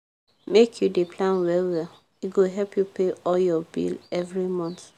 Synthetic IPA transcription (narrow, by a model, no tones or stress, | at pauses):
mekʰjudepʰlãnwɛlwɛl | iɡoɦɛlpʰjupʰeɔljɔbḭlɛvɹimɔ̃nθ